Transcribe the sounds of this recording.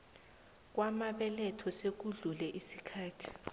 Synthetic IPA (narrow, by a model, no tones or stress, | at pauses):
k̬wamaɓɛlɛtʰɔsek̬uɮulɛʔisikʰaːtʰi̥